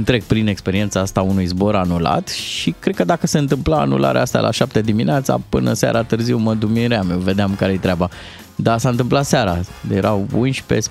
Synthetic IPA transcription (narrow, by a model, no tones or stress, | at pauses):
ɨnt̪ɾe̞k̚pɾine̞kspe̞ɾiet̪saast̪aunujzbo̞ɾanula̰t̪ʃikɾd̪̚kəd̪akəseɨnt̪ɨmplaa̰nṵlʔa̰ɾḛʔast̪a̰lʔa̰ʃap̚t̪ed̪imineat̪sa̰pɨnəsa̰ɾat̪ɨrziwməd̪umiɾeamjewve̞d̪eamkaɾejet̪ɾeaba | d̪asaɨnt̪ɨmplat̪saɾajeɾawbunʲʃi̥pḛs